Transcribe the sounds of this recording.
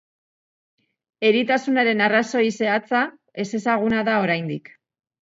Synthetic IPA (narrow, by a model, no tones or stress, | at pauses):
e̞ɾit̪asunaɾe̞naraso̞ise̞at͡sa | e̞se̞saɣ̞unaðao̞ɾajnd̪ik